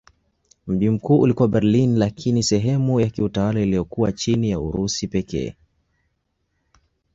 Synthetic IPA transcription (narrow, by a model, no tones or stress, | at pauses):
m̩ʄim̩kuːʔulikuwabɛɾlinlakʰinisɛɦɛmujakiutawalailijɔkuwat͡ʃinijaṵɾusipɛkɛ̰ː